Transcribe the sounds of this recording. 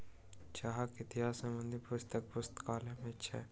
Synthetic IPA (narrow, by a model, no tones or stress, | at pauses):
t͡ʃaɦakɪt̪ɪjaːsɐ̃mə̃nd̪ipʊst̪ək̚pʊst̪kaːlẽmẽtːʃʰa̰ɛ